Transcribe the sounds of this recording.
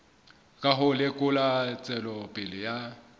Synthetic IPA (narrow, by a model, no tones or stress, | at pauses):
kʼaɦʊlɪkʼʊlat͡sʼɛlɔpʼɪlɪja